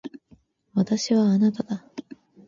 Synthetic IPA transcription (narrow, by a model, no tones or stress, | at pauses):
βat̪aɕiβaːnat̪ad̪a